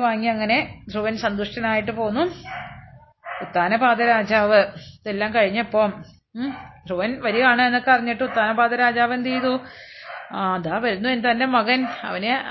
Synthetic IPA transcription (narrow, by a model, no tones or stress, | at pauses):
ʋaːŋːiɐŋːɐne̞t̪ruʋɐnsɐnd̪uʂʈɐnaːjiʈ̬ːɨpoːnːu | ut̪ːaːnɐbaːd̪ɐɾaːd͡ʑaːʋɨðelːaːmkɐɻiɲːɐpːoːm | d̪ʱruʋɐnʋɐɾijaːɳɨenːokːepɐriɲːiʈːɨut̪ːaːnɐbaːd̪ɐɾaːd͡ʑaːʋɐnt̪ijðu | ðaːʋɐɾunːuent̪ɐnde̞mɐɣɐnɐ̰ʋɐne